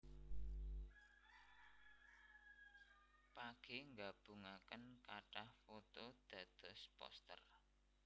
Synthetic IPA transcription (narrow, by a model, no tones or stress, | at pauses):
paɡ̥eŋɡab̥ṳŋakənkaʈahfot̪od̪̥a̤d̪̥ɔ̤spɔ̰st̪ə̰r